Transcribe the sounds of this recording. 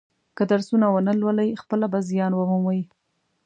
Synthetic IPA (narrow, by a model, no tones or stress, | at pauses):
kəd̪aɾsunawənəlwəlajxpəlabazijɑnwəmumwaji